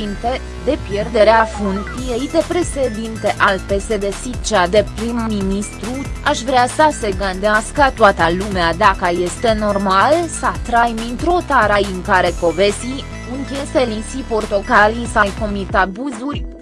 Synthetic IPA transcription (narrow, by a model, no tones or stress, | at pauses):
int̪e | d̪e̞pje̞rd̪e̞ɾeafunt̪t̪ijejd̪e̞pɾe̞ʃed̪int̪e̞ʔalpe̞se̞d̪e̞sit͡ʃad̪e̞pɾimminist̪ɾuaʃvɾeasəseɡənd̪easkət̪oat̪əlumead̪akəjest̪e̞no̞rmalsat̪ɾajmint̪ɾot̪aɾajɨŋkaɾe̞ko̞ve̞si | ɨŋkʲeselisipo̞rt̪o̞kalisajko̞mit̪abuzurʲ